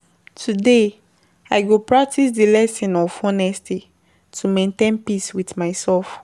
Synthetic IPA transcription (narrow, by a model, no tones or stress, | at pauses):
tʰude | aɪɡopɹak̚tʰisdilɛsĩnɔfɔnɛsti | tʰumẽntẽnpiswitmaɪsɛlf